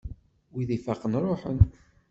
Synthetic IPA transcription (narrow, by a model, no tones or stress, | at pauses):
wiðifæqːənɾˤoħə̰n